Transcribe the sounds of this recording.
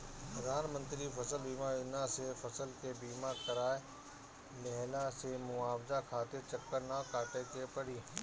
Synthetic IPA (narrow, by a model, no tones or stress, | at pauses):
pɾɐd̪ʱaːnmə̃nt̪ɾipʰɐsəlbiːmaʊnãsefʰɐsəlkebiːmãkɐɾaːe | lɛɦlãsemʊaːbd͡ʒakʰaːt̪ɪɾt͡ʃɐkːəɾnakaːʈekepɐɽiː